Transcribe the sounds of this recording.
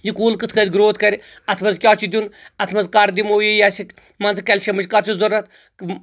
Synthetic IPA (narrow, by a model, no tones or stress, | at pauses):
jikuːlkɨt̪ʰkɐd̪ʲɡɾoːt̪ʰkɐɾʲi | ɐt̪ʰmɐzkʲjaːt͡ʃʰid̪ʲunɐt̪ʰmɐnzkaɾd̪imoːjejaːsik | mɐnzɨkʲɐlʲʃɐmɨd͡ʒʲkɐɾt͡ʃʰuzoɾɐt̪̚ʰ